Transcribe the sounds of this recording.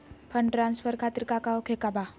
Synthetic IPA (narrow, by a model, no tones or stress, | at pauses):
pʰəɳʈɾansfəɾkʰat̪iɾkakaokʰekaba